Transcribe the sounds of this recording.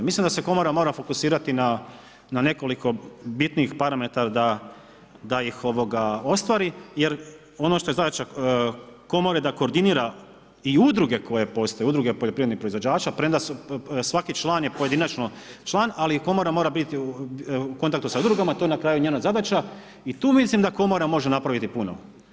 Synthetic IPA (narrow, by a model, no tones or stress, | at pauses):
mislˠimd̪ase̞ko̞mo̞ɾamo̞ːɾafo̞kusiːɾat̪ina | nane̞ko̞liko̞bit̪niːxpaɾame̞t̪aɾad̪a | d̪aixo̞ʋo̞ɡao̞st̪ʋaɾije̞ɾ | o̞noʃt̪o̞e̞zad̪at͡ʃa | ko̞moɾad̪ako̞ːɾd̪iniɾa | iud̪ɾuɡe̞ko̞je̞po̞st̪ojeud̪ɾuɡepo̞ʎopɾied̪nixpɾoizʋo̞d͡ʑaːt͡ʃapɾemd̪assʋakit͡ʃlˠaːnje̞poed̪inat͡ʃnot͡ʃlˠaːnaliko̞mo̞ɾamoɾabit̪iuko̞nt̪ak̚t̪usaud̪ɾuɡamat̪o̞jenakɾaːjuɲeːnazad̪at͡ʃa | it̪uːmislimd̪ako̞mo̞ɾamo̞ʒe̞napɾaʋit̪ipunoʋo